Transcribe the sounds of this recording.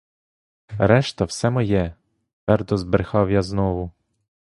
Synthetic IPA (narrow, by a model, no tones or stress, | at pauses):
ɾɛʃt̪ɐwsɛmɔjɛ | ʋɛrd̪ɔzbɾexɑwjaznɔʋʊ